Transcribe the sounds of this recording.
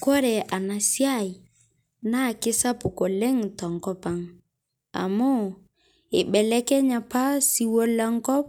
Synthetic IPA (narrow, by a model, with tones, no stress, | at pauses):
kɔ˦ɾɛ˨ʔa˨na˨sja˦˨i˨ | na˦˨kɪ˦sa˦pʊ˨kɔ˨lɛ˦ŋtɔ˨ŋkɔ˦pa˦ŋ | a̰˨mɔ˦˨ | e˨ɓɛ˨lɛ˦kɛ˦ɲa˨pa˦si˦wɔ˦la˦ŋkɔ˦p̚